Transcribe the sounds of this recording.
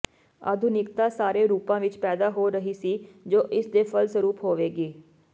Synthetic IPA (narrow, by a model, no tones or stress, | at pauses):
a̰ːd̪ʱʊnɪkt̪aːsaːɾeːɾuːpãːʋɪt͡ʃpɛːd̪aːɦoːɾəɦiːsiːd͡ʒoːʔɪsd̪eːpʰəlsəɾuːpɦoːʋeːɡiː